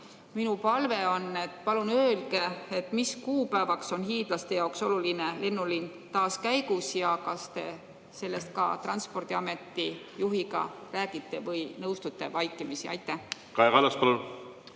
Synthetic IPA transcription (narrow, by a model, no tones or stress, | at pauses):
minupɑlveo̞nːe̞t̪ːˑpɑlunøːlɡe̞et̪ːmiskuːpæːvɑkso̞nɦiːd̪̥lɑst̪e̞jɑwkso̞lulinele̞nːulin | t̪ɑːskæjɡusjɑkɑst̪e̞ | se̞lːe̞st̪̚kɑ̰t̪rɑnspo̞rd̪̥iɑme̞t̪ːˑi | juɦiɡɑ̰ræːɡ̥it̪ːˑe̞vɤjnɤwst̪ut̪ˑːe̞vɑjkːˑimisiɑ̰jt̪ːˑæ | kɑekɑlɑspɑlun